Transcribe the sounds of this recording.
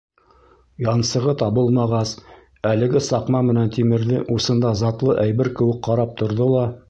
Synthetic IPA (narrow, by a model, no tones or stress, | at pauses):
jɑnsɤ̆ʁɤt̪ɑβɤlˠmɑʁɑs | ælɘ̆ɡɘsɑqmɑmɘ̆nænt̪imɘ̆ɾðɘʔusɤ̆nd̪ɑzɑt̪lˠɤʔæjbɘɾkɘ̆wɘk̚qːɑɾɑp̚t̪ʰŏɾðolˠɑ